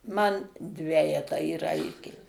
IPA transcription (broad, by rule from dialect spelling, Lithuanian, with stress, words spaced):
mɐn ˈdʲʋʲæːjɛtɑː iːˈrɐɪtʲeː